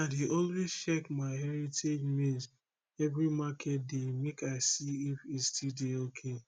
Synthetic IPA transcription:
atiʔɔlwezt͡ʃɛkmaɪɦɛɹitʰed͡ʒmĩnz | ɛvɹimakʰɛt̚demekaɪsiifistʰideokʰe

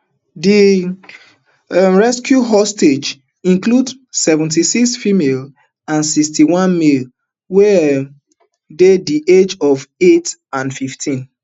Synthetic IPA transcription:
di | ɹɛskjuɦɔsted͡ʒ | ĩnklud | sɛvə̃ntisiksfimel | ãnsikstiwɔ̃nmil | wɛ | dediʔed͡ʒɔvetãnfiftʰĩn

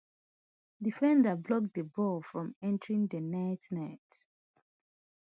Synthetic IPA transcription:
difɛ̃ndablɔk̚dəbɔlfɹɔ̃mɛ̃ntəɹĩŋdənaɪtnaɪt

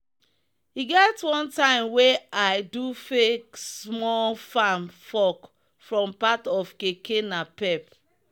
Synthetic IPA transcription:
hiɡɛtwɔ̃ntãɪ̃mweajdufeksmɔlfãmfɔk | fɹɔ̃mpatɔfkekenapɛp

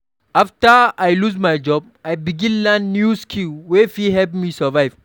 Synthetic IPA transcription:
ʔaftaajluzmajd͡ʒɔb̚ | ajbiɡĩnlãnːjuskʰiwɛfihɛvmisəvajv

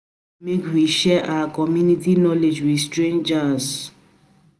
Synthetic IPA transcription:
mekwiʃɛʔaakɔmjunitinɔled͡ʒwistɹẽnd͡ʒas

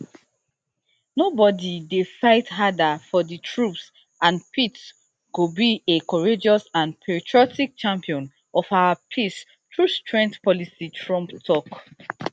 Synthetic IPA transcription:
nobɔdidesaɪtɦadafɔditʰɹups | ãnpits | kobiekɔɹed͡ʒɔsãnpʰɛɹitʰɹiɔtik̚t͡ʃãmpiɔ̃n | ɔfawapʰis | tʰɹustɹɛ̃ŋktpɔlisitʰɹɔ̃mptʰɔk

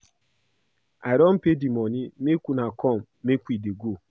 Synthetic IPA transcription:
aɾɔm̩pedimɔnimekʷunakʰɔm̩mekʷideɡo

